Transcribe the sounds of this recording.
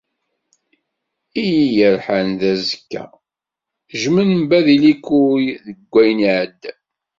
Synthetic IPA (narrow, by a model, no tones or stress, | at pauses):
ijijəɾħanðæzəkːæ̰ | ʒmənmbæðilikːujðəɡʷːæjnʕəd̪ː